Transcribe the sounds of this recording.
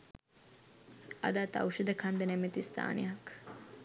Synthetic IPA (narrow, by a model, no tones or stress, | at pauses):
ɐ̰d̪aːt̪ɐ̰wʃɐd̪əkʰand̪ənɛmet̪ist̪ʰa̰ːnejɐk